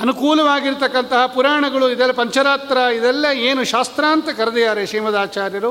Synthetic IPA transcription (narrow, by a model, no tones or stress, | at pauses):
ɐnukuːlɐʋaːɡiɾt̪ɐkːɐnt̪ɐɦɐpuɾaːɐɳɐɡɐɭuid̪ɛlːɐpɐɲt͡ʃɐɾaːt̪ɾɐid̪ɛlːɐeːnuʃaːst̪ɾaːnt̪ɐkɐɾɐd̪ijaːɾeʃiːmɐd̪aːt͡ʃaːɾjɐɾu